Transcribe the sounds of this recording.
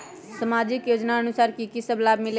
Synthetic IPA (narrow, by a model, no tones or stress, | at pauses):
səmaːd͡ʒɪkjoːd͡ʒnaənʊsaːɾkikisəblaːbmɪle